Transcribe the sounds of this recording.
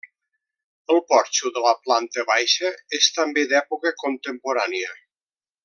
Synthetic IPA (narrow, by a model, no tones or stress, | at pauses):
əlˠpɔɾt͡ʃuðələplant̪əβajʃəest̪əmbeðɛpukəkont̪əmpuɾaniə